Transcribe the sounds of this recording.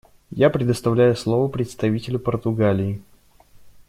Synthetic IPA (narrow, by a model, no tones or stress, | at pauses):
japɾʲɪd̪əst̪ɐvlʲæjʊslˠovəpɾʲɪt̪st̪ɐvʲitʲɪlʲʊpərt̪ʊɡalʲɪː